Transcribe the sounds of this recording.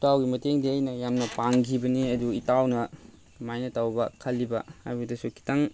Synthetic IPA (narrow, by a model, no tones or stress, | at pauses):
tawɡimɐteŋdiɐjnɐjamnɐpaŋkʰibɐniɐduitawnɐ | majnɐtawbɐkʰɐlːibɐ̰ha̰jbɐdɐsuki̥taŋ